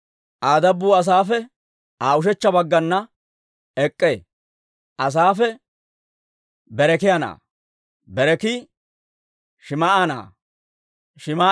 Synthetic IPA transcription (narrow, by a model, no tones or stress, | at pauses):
ʔaːd̪ɐbːuːɐs̬aːfɛ | aːʊʃ̬ɛt͡ʃːɐbɐɡːɐnːɐ | ɛkʼːeː | ʔɐs̬aːfɛ | bɛɾɛkɪjɐna̰ː | bɛɾɛkɪ | ʃɪmɐʔana̰ː | ʃɪma